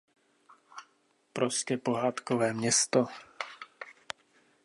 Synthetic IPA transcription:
pɾoscɛpo̞ɦaːt̪kovɛːmɲɛst̪o

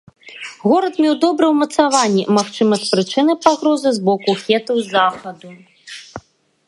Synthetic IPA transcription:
ɣɔɾɐt̪mʲɛwd̪ɔbɾɛwmɐt̪savanʲːɛ̰maxt͡ʂɨmɐst̪pɾɨt͡ʂɨnɨpaɣɾɔzɨzbɔkuxʲɛt̪ɐwzaxɐd̪u

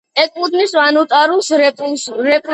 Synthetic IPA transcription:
ɛkʼud̪nisvanut̪ʼaɾulˠs | ɾɛpʼ

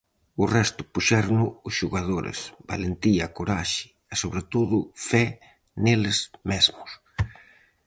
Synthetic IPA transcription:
ʊrɛst̪ʊ̥puʃɛɾnʊːsʃuɣað̞oɾḛsba̰lent̪iakoɾaʃɪ̥ | ɪsoβɾet̪oðʊfɛ | nelezmezmʊs

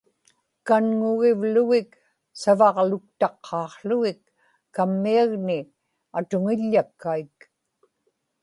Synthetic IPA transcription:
kanŋʊɣɪvlʊɣɪk | savɑʁlʊk̚t̪ɑqʰːɑːqɬʊɣɪkː | amːiaɣnɪ | at̪ʊŋɪʎːakːaik

